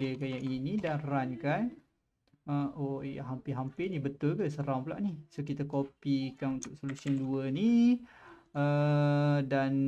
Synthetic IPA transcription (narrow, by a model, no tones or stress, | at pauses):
ekajaʔinidanrankan | əoja̰ɦampɪɦampɪnibət̪ʊlkəsəɾampla̰ʔnihsokit̪akopikanunt̪ʊk̚solusiənduəni | ə | dan